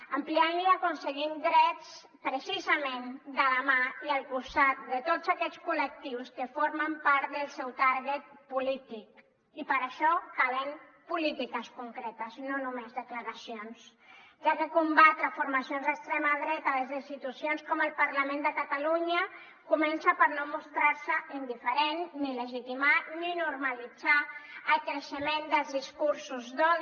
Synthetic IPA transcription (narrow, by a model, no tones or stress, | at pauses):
əmplianliakunsəɣind̪ɾɛt͡s | pɾəsizəmend̪ələmaiəlˠkust̪at̪̚d̪ət̪otzakɛʎskulək̚t̪iwskəfoɾməmpaɾt̪d̪əlˠsɛwt̪aɾɣət̪̚pulit̪ik | ipəɾəʃɔkaleŋpulit̪ikəskuŋkɾɛt̪əznonumezðəkləɾəsions | ʒakəkumbat̪ɾəfuɾmasionzðəkst̪ɾɛmaðɾɛt̪əðəzinst̪it̪usionskɔməlˠpəɾləmẽnd̪əkət̪aluɲə | kumɛnsəpəɾnomust̪ɾaɾsəind̪ifəɾenːiləʒit̪imaninuɾməlid͡zaəlkɾəʃəmend̪əlˠzðiskuɾsuzðɔð